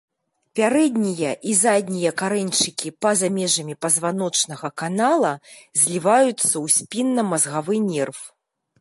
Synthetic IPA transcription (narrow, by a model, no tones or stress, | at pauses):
pʲaɾɛd̪ʲnʲijɐʔizad̪ʲnʲijɐkaɾɛnʲt͡ʂɨkʲipɐzamʲɛʐɐmʲipɐzvan̪ɔt͡ʂnɐɣɐkanalˠɐ | zʲlʲivajut̪sːɐwsʲpʲinːɐmɐzɣavɨnʲɛrf